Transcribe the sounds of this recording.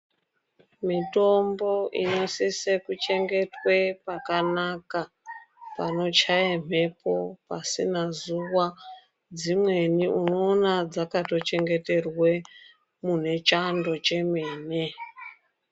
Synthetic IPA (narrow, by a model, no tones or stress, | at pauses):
mito̞mbo̞ḭɲo̞sisekut͡ʃe̞ŋɡe̞twe̞pakanaka | pano̞t͡ʃajem̥̤e̞po̞pasinazuwa | d͡zimwe̞niʔuno̞ːnad͡zakato̞t͡ʃe̞ŋɡe̞te̞rwe̞ | mun̤e̞t͡ʃando̞t͡ʃe̞meːne